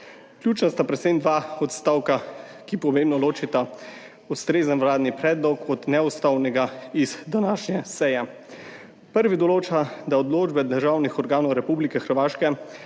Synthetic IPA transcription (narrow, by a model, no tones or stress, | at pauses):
kljuːt͡ʃnast̪apɾɛt̪send̪ʋaːɔt̪st̪aːwka | kipɔmeːmbnɔloːt͡ʃit̪a | ust̪ɾeːzənwɾaːd̪nipɾɛːd̪lɔkɔd̪nɛɔst̪awnɛɡaizd̪anaːʃɲɛsɛjɛ | pəɾʋid̪ɔloːt͡ʃad̪aɔd̪loːd͡ʒbɛd̪əɾʒaːwnixɔɾɡaːnɔwɾɛpublikɛxəɾʋaːʃkɛ